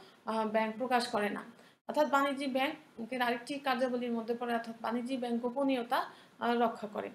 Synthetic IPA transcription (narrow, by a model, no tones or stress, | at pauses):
bɛŋk̚pɾokaʃkɔɾena̰ | ɔɾt̪ʰat̪̚banid͡ʑibɛŋkeɾaɾek̚ʈikaɾd͡ʑoboliɾmod̪ʱːepɔɾeɔɾt̪ʰat̪̚ba̰nid͡ʑibɛŋk̚ɡoponiot̪a | ɾɔkʰːakɔɾḛ